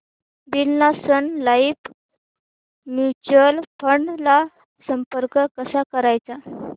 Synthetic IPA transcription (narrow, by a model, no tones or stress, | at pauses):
bilnasənlaip | mjut͡ɕəlpʰəɳɖla | səmpəɾkəkəsakəɾajt͡sa